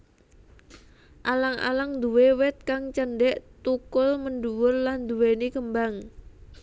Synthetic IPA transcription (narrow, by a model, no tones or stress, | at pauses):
ʔalaŋʔa̰laŋd̪uwewɪt̪̚kaŋt͡ʃənɖɛʔt̪ukʊlmənɖuwʊrland̪uwenikəmbaŋ